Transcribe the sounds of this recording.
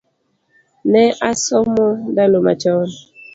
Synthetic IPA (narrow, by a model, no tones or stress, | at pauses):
nɛʔasɔmɔdanoma̰t͡ʃɔn